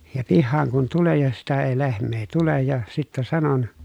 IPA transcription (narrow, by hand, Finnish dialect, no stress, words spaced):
jɑ pihːɑːŋ kun tulen̞ jɑ sitæ ei lehmˑeː tulej jɑ sitːæ sɑnon